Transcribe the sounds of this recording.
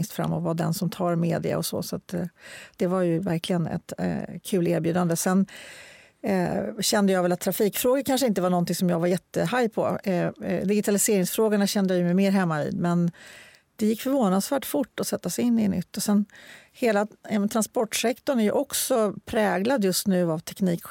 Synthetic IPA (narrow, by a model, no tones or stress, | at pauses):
ŋst̪fɾa̰mːɔvad̪ɛnsɔmt̪ʰɑːɾmeːd̪ɪ̰a̰ɔsɔ̰sɔat̪d̪̥ɛvaɾjɵvæ̰ɾklɪɡənɛ̰t̪kʰʉ̟ːleːɾbjʉ̟ːd̪and̪əsɛn | ɕɛnd̪əjɑːɡvɛlat̪ʰːɾafiːkfɾoːɡakʰanʂ̬əɪnt̪əvaɳɔnt̪ɪŋsɔmjɑːɡvaɾjɛt̪ːəɦajpʰɔ̰ | d̪ɪɡɪt̪ʰalɪseːɾɪŋsfɾoːɡaɳaɕɛnd̪əjajɵmɛjmeːɾɦɛmːavḭːd̪mɛn | d̪̥ɛjɪkːfœɾvoːnad̪svæːʈfʊʈːɔsɛt̪ːasɛɪnːɪnʏ̰t̪ːɔsɛnheːlaɛmɛnt̪ʰɾanspɔʈːʂɛkt̪ɔɳæjɵ̰ʔɔksɔpʰɾɛːɡlad̪jɵst̪nʉ̟ːavt̪ʰɛkniːk